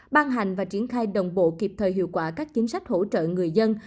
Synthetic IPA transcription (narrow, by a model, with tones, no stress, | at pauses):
ɓaː˧ŋɦa˨˩jŋ̟vaː˨˩t͡ɕi˧˦ənxaː˧jɗə˨˩wŋ͡mɓo̰˧˨ki˨˩p̚t̪ʰəː˨˩jɦḭ˧˨əwkwaː˧˩kaː˦˥k̚t͡ɕi˨˦ŋ̟sa˦˥jk̟̚ho̰˧˥t͡ɕə̰ː˧˨ŋɨ˨˩əjzə˧n